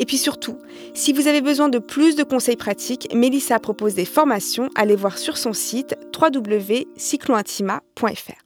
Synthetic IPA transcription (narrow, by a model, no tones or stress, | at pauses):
epɥisyʁt̪ʰu | sivuzavebəzwɛ̃d̪əplys̬d̪əkɔ̃sɛjpχat̪ʰikmelisapχɔpozd̪efɔʁmasjɔ̃ʔa̰levwaʁsyʁsɔ̃sit̪ːχwad̪ubləvesikloɛ̃t̪ʰimapwɛ̃ɛ̰fɛ̰ːʁ